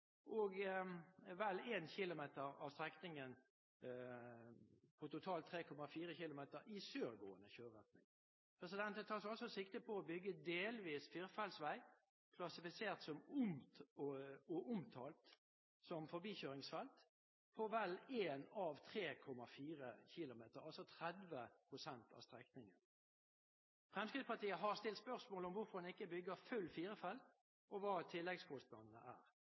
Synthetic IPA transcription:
ʔoːɡ | ʋɛleːnçɪlʊmeːt̪əʁɑ̰ːʋst̪ʁɛknɪŋən | pʰɔt̪ʊt̪ʰɑːlt̪ʰːʁeːkʰɔmɑfiːʁəçɪlʊmeːt̪əɾɪsøːʁɡo̰ːənəçøːɾʁɛt̪nɪ̰ŋ | pʰʁɛsɪd̪ɛnt̪ət̪ʰɑːʁsɑlsɔsɪkt̪əpʰɔːbʏɡːəd̪eːlʋiːsfɪʁfɑlsʋæɪ | kʰlɑsɪfɪseːʁt̪sɔmʊm | ɔʔʊmt̪ʰɑːlt̪ | sɔmfɔɾbiːçøːɾɪŋsfɛlt̪ | pʰɔʋɛleːnɑʋt̪ʰʁeːkʰɔmːɑfiːʁə̰çɪlʊmeːt̪əɾɑlsɔt̪ʰʁɛd̪ʋəpʰʁʊsɛnt̪ʰɑ̰st̪ʁɛknɪŋən | fʁɛmskʁɪd̪spɑt̪iːəɦɑʁst̪ɪlt̪spœʁsmoːləɔmʋʊɾfɔʁd̪ɑnɪkːəbʏɡəfʉlːfiːɾəfɛl | ʔɔʋɑːt̪ʰɪlːɛɡskʰɔst̪nɑnnə̰ʔæːʁ

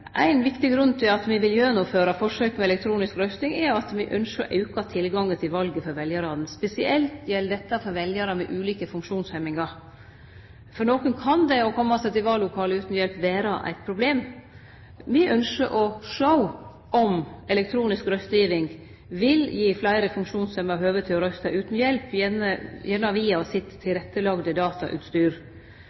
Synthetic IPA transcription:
ʔæ̰ɪnʋɪkt̪ɪɡɾʉnt̪ʰɪlɑt̪ʋɪʋɪljøːɾənʊføːɾɑfɔʂøːkmɛɛlɛk̚t̪ʰɾuːnɪskɾœst̪ɪŋɛɑt̪ʋɪʔœnʂəɔ̰ʔɑʉkɑt̪ʰɪlɡɑŋːət̪ʰɪlʋɑlɡəfɔɾʋɛljəɾɑːd̪nspɛsɪʔɛlt̪jɛlːd̪ɛt̪ːɑfɔɾʋɛljəɾɑmɛʔʉːliːkəfʉŋkʂuːnshɛmːɪŋɑɾ | fɔnoːkənkʰɑnd̪ɛɔkʰɔmːɑsɛt̪ɪʋɑːlːʊkʰɑːləʉːt̪njɛlpʋeːɾɑʔæ̰ɪt̪̚pʰɾʊbleːm | mɪʔœnʃəʔɔʂəʊ | ʔɔmɛlɛk̚t̪ʰɾuːnɪskɾœst̪jiːʋɪŋ | ʋɪljiːflæɪɾəfʉŋkʂuːnshɛmɑɾɦøːʋət̪ʰɪɔɾœst̪ɑʔʉːt̪n̩jɛlpjɛnəjɛnːɑʋiːɑɔsɪt̪ʰːɪlɾɛt̪ːəlɑɡd̪əd̪ɑːt̪ɑ̰ʔʉ̰ːt̪st̪yːɾ

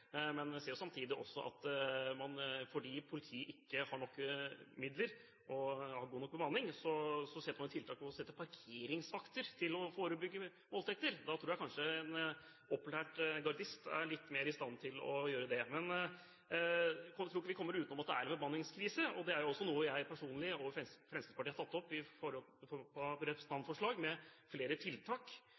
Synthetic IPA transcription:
mɛnseːɾjʊsɑmt̪ʰiːd̪ɪʔɔsːɔʔɑ̰t̪mɑnfɔɖiːpʰʊlɪt̪ʰiːʔɪkːəhɑɳɔkːmɪd̪ləɾ | ʔɔhɑɾɡuːnɔk̚ːbəmɑnːɪŋsɔsɔsɛt̪ːmɑnət̪ʰɪlt̪ʰɑːkɔɔsɛt̪ːəpʰɑɾkʰeːɾɪŋsfɑkt̪əɾt̪ʰɪlɔfoːɾəbʏɡːə | moːlt̪ʰɛk̚t̪əɾd̪ɑt̪ʰɾuːjæɪkʰɑnʂəɛn | ɔpːʉlæːʈɡɑɖɪst̪æ̰ɭɪt̪ːmeːɾɪst̪ɑnːt̪ʰɪlɔ̰jøːɾəd̪ɛmɛn | kɔt̪ʰɾuːkːəʋɪkɔmːəɾʉːt̪nɔmɑt̪̚d̪ɛæɾɛnfɔmɑnːɪŋskʰɾiːsəɔd̪ɛæɾjʊɔsːɔnuːəjæɪpʰæʂuːnlɪɔfɛfɾɛmskəspɑʈiːhɑt̪ɑt̪ːɔpːɪfɔɾɔlɔpʰɔɾɛtpɾəsn̩ɑnfɔʂɭɑːɡmɛ | fleːɾət̪ʰɪlt̪ʰɑːk

